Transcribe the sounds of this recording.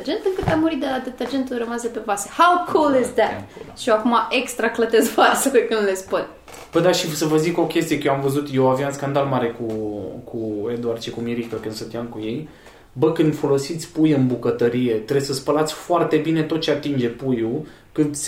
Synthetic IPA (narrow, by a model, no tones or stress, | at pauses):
d͡ʒe̞nt̪ɨŋkɨt̪amːuɾit̪̚d̪aad̪ɨt̪ad͡ʒe̞nt̪ulrəmasd̪epe̞vasehawkʰulɪzd̪æt̪ʃiakumaʔekst̪ɾaklət̪ezvaselekɨnd̪lespunʲ | b̥əd̪aʃisəvəziko̞kʲe̞st̪ijekəjoamvəzut̪jewavijaunskand̪almaɾe̞kukʰued̪uart͡ʃikumiɾikəkɨnd̪sət̪iaŋkuje̞j | bəkɨnd̪fo̞lo̞sit̪sʲpujɨnbukət̪əɾije̞t̪ɾesəspəlat̪sʲfoart̪e̞bine̞t̪o̞t̪̚t͡ʃeat̪ind͡ʒe̞puju | kɨnd̪